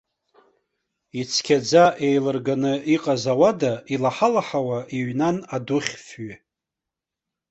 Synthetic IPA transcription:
it͡sʰkʲʰad͡zaʔejlɨrɡanɨʔiqʼazawadaʔilaħalaħawaʔiɥnanadʊχʲfɥi

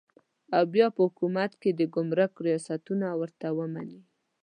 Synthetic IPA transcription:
awbjɑpəhʊkumat̪ked̪əɡʊmɾəkɾijɑsat̪unawəɾt̪awəma̰ni

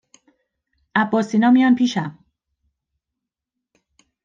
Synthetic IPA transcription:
ʔæbːɒːsiːnɒːmijɒːnpʰiːʃæm

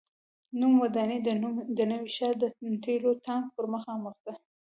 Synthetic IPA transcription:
numwad̪ɑned̪ənəwiʃɑɾd̪ənt̪ʰelot̪ɑŋɡ̚pəɾməxɑməxd̪a

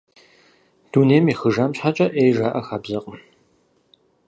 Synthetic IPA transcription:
d̥uːneːmiːxɨʒamɕħat͡ʃʼɐʔeːjʒaːʔɐxaːbzɐqʼəm

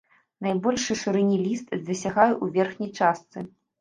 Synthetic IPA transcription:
najbɔlʲʂɨʂɨɾɛnʲilʲist̪d̪ɐsʲaɣajuʔuvʲɛrxnʲɐjt͡ʂast̪sɨ

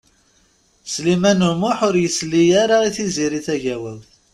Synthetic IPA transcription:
slimænumʊħʊɾjəslːijaɾaiθiziɾiθæʝæwælθ

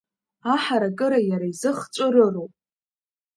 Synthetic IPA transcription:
aħaɾakʼɨɾajaɾaizɨχt͡ʃʷʼɨrɨrowpʼ

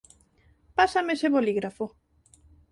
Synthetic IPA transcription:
pasameseβoliɣɾafo

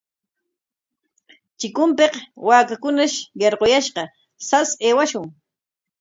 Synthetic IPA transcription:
t͡ʃɪkʊmpeqwaːkakʊnaʃɢeɾqojaʃqɑ | saseːwaʃʊŋ

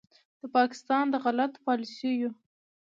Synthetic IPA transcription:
d̪̥əpɑkɪ̥st̪ɑnd̪əɣalat̪pɑlisiju

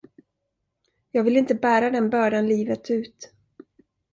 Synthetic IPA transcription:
jɑːɡvɪlɪnt̪əbæːɾad̪ɛnbœːɖanliːvət̪ʰʉ̟ːt̪

